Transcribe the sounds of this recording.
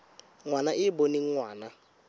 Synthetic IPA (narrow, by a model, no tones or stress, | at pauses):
ŋwanaʔɪboniŋ̩ŋwaːna